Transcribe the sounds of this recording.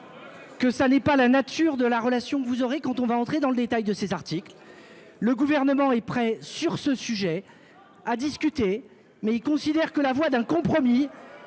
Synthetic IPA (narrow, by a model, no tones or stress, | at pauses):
kəsanɛpalanat̪yʁd̪əlaʁəlasjɔ̃kəvuzɔʁekɑ̃t̪ɔ̃vaɑ̃t̪χed̪ɑ̃ləd̪et̪ajd̪əsezaʁt̪ikl | ləɡuvɛʁnəmɑ̃ɛpχɛsyʁsəsyʒɛ | ad̪iskʲyt̪e | mɛilkɔ̃sid̪ɛʁkəlavwad̪ɛ̃kɔ̃pχɔmi